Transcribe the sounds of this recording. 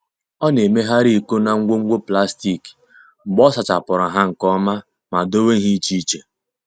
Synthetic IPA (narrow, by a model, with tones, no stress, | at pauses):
ɔ˦ne˨me˦ɦa˦ɾi˦˨ko˦na˨ŋ̩˦ɡʷo˦ŋ̩˦ɡʷo˦pla˦sti˦˨k | ŋ͡m̩˨ɡ͡bɔ˦sa˨t͡ʃa˨pʊ˨ɾa˨ɦa˦ŋ̩˨kɔ˦ma˦ | ma˨do˦we˦ɦi˦t͡ʃi˦t͡ʃe˨